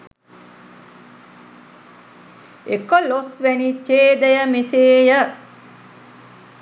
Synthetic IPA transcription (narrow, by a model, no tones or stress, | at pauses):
ekolosʋænit͡ʃeːd̪əjəmeseːjə